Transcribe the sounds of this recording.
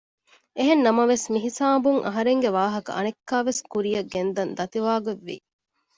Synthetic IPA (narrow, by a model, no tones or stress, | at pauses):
eɦenːɐmɐʋesmiɦisaːbuŋʔɐ̰ɦɐɾeŋɡeʋaːɦɐkɐ̰ʔɐ̰nekːaːʋeskuɾijɐɡend̪ɐnd̪ɐt̪iʋaːɡɐʋːḭ